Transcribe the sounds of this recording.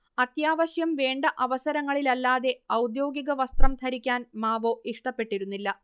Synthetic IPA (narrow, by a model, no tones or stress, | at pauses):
ɐt̪jaːʋɐɕjɐmʋeːɳɖɐʔɐʋɐsɐɾɐŋːɐɭilɐlːaːðe̞ɐwd̪jo̞ːɡiɣɐʋɐst̪rɐmt̪ʰɐɾikʲːaːnmaːʋo̞ːʔiʂʈɐpːe̞ʈːiɾunːilːɐ